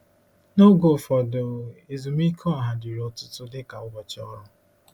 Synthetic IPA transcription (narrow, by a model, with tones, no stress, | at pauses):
no˦ɡo˨fɔ˨do˨e˨zu˨mi˦kʰɔ˦a˨ɦa˨di˨ɾo˦tʊ˦tʊ˦dɪ˦ka˨ʊ˦ɡɔ˨t͡ʃɔ˦ɾʊ˦